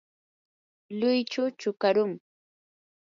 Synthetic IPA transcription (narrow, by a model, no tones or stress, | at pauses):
lʊjt͡ʃʊt͡ʃʊkaɾʊŋ